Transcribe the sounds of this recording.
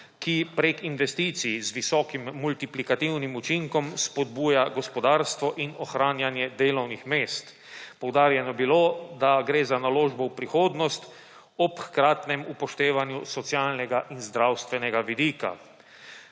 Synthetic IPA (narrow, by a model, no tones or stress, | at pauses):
kipɾekinʋɛst̪it̪sizʋisɔːkimːult̪iplikat̪iwnimut͡ʃiŋkɔmspɔd̪̚buːjaɡɔspɔd̪aːɾst̪ʋɔʔinɔxɾaːnjanjɛd̪eːlɔwnixmeːst̪ | pɔwd̪aːɾjɛnɔbilod̪aɡɾeːzanaloːʒbɔwpɾixoːd̪nɔst̪ | ɔpxkɾaːt̪nɛmupɔʃt̪eːʋanjusɔt̪sjaːlnɛɡaʔinzd̪ɾawst̪ʋɛnɛɡaʋid̪iːka̰